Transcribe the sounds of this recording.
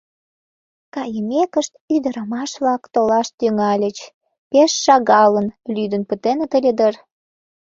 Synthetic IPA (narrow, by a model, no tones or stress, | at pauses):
kɑjəmʲekəʃt̪yd̪əɾəmɑʃβlɑkt̪olɑʃt̪yŋɑlʲət͡ɕ | peʃːɑɣɑlənlyd̪ənpət̪enet̪əlʲed̪ər